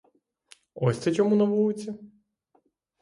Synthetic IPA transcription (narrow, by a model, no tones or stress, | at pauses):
ɔsʲt̪ɛt͡ʃɔmunɐʋuɪt͡sʲːɐ